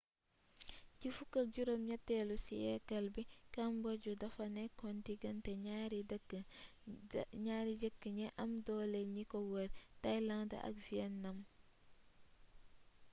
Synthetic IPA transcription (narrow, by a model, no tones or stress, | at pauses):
cifukːɐk̚ɟuɾomɲɐtːɛlusiɛkːɐlbikɐmboɟudɐfɐnɛkontiɡɐntɛɲaɾid | ɲaːɾiɟəkːəɲɛʔɐmdɔːleɲikowəɾtajlɐŋdɐ̰ʔɐ̰kviɛnːɐm